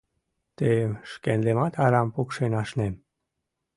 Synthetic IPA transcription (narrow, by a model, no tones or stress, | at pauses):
t̪eʃkenlemɑt̪ɑɾɑmpukʃenɑʃnem